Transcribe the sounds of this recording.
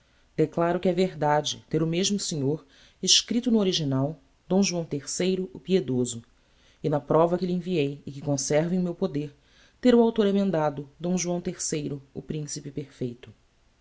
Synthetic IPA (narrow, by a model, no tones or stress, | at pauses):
d̪̥eklaɾʊkɪɛveɾd̪ad͡ʒɪ̰t̪eɾʊmeʒmʊseɲoɾ | ɪʃkɾit̪ʊnʊoɾiʒinaw | d̪̥õw̃ʒuɐ̃w̃t̪eɾsejɾʊʊpied̪ozʊ | ɪnɐpɾɔvɐkɪlɪẽviejɪkɪkõsɛɾvɪẽj̃mewpod̪eɾ | t̪eɾʊawt̪oɾemẽnd̪ad̪ʊd̪õw̃ʒuɐ̃w̃t̪eɾsejɾʊʊpɾĩsipɪpeɾfejt̪ʊ